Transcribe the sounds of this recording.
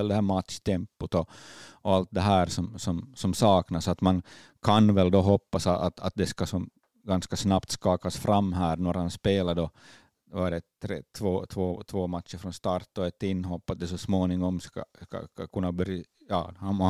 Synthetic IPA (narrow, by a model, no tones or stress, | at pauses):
ɛld̪ɛhæːɾmat̪ʂt̪ʰɛmpʊt̪ɔɔalt̪̚d̪ɛɦæːɾsɔmsɔmsɔmsɑːknasat̪man | kʰanvɛld̪ɔɦɔpːasaat̪a̰t̪̚d̪ɛskasɔm | ɡanskasnapt̪skɑːkasfɾamːɦæːɾnɔɾhanspeːlad̪ɔ | ʋaɖɛt̪ʰɾeːt̪ʰvoːt̪ʰvoːt̪ʰvoːmat̪ʂəɾfɾɔnst̪ɑɾt̪ːɔɛt̪ɪnːɦɔpːat̪̚d̪ɛs̬ɔsmoːnɪŋɔmska̰ska̰kakʰɵnːabœɾjɑ̰ːh